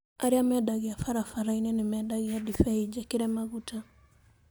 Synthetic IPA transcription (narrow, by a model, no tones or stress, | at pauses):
aɾiamɛdaɣiafaɾafaɾainɛnɪmɛdaɣiadifɛid͡ʒakiɾɛmaɣuta